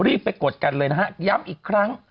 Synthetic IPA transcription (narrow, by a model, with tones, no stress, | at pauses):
ɾiː˥˩p̚ːa˧jko˨˩t̪̚ka˧nlɤː˧jna˦˥hɦa˦˥ja˦˥mʔiː˨˩kʰɾa˦˥ŋ